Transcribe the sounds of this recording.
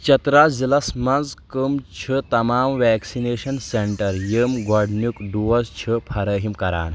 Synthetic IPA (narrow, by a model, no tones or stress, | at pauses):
t͡ʃɐt̪ɾazilɐsmɐnd͡zkəmt͡ʃʰət̪ɐmaːmʋɛksineːɕɐnseɳʈɐɾjəmɡaɽnjukɖuʋɐzt͡ɕʰəpʰɐɾɐːɦimkɐɾa̰ːn